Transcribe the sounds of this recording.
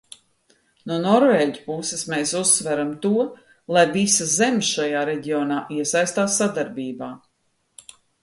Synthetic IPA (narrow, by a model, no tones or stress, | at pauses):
nuɔnɔɾveːɟʲupusesmeːsusːvæɾamt̪uɔ | lˠajvisazemʲsʃajaːɾeɟiɔːnaːʔiɛsajst̪aːsːad̪aɾbiːbaː